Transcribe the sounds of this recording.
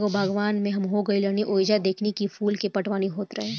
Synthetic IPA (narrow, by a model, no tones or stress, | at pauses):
kobʱəɡʋaːnmẽɦɐmɦoɡɐiləniʔoːd͡ʒad̪eːkʰnekifʰuːlkepɐʈʋaːniɦoːt̪ɾɐɦẽː